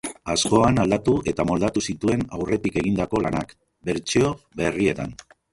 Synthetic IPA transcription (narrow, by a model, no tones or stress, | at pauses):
asko̞anald̪at̪uʔe̞t̪amo̞ld̪at̪usit̪ue̞nawre̞t̪ike̞ɣ̞ind̪ako̞lanak | be̞ɾt͡ʃeo̞βe̞rie̞t̪a̰n